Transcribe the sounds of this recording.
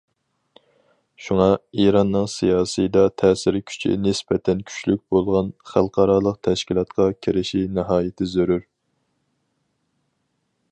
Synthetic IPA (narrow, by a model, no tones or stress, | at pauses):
ʃuŋɑiɾɑnːɨŋsijɑːsɨjəd̪ɑt̪ʰɛːsɪɾɪkʲʰy̥t͡ʃʰḭnɪsbɛt̪ʰɛnkʲʰy̥t͡ʃlyk̚ʲbolˠʁɑnχælˠqʰɑɾɑːlˠəq̚t̪ʰɛʃkʲilˠɑt̪qʰɑkʲʰiɾɪʃinɪɦɑːjɪt̪ʰɪzøɾyɾ